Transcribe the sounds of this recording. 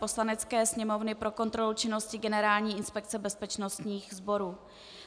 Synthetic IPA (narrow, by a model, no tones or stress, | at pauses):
po̞slanɛt͡skɛːsɲɛmo̞vnɪpɾo̞ko̞nt̪ɾo̞lut͡ʃɪno̞scɪɡɛnɛɾaːlɲiːʔɪnspɛk̚t͡sɛbɛspɛt͡ʃno̞st̪ɲiːxzbo̞ɾuː